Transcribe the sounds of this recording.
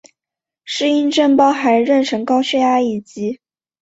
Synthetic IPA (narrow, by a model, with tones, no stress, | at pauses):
ʂɻ̩˥˧i˥nʈ͡ʂə˥˩ŋpɑ˥ʊxa˧˥ɪɻə˥˩nʈ͡ʂʰɤ˧˥ŋkɑ˥ʊɕɥɛ˥˧ja˥i˥˩t͡ɕi˧˥